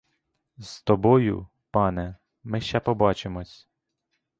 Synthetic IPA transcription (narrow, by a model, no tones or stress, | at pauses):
z̥t̪ɔbɔjʊ̰ | pɑnɛ | mɪʃt͡ʃɛpɔbɑt͡ʃemɔsʲ